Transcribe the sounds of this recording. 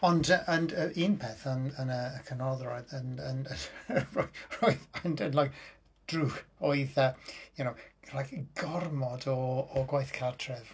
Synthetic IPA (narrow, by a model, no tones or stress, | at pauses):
ɔndəʔənəʔinpʰeθənənəːkʰənɔðrɔɨðənənərorojðandənlajk | d̥ruxoɨðəjunowrakɡ̥ɔrmɔdɔːɡwajθkʰartʰrɛv